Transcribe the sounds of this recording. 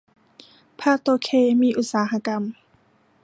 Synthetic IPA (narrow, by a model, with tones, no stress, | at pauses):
pʰaː˥˩t̪oː˧kʰeː˧˩miː˧ʔu˧˩t̪̚saː˩˦ɦa˧ka˧m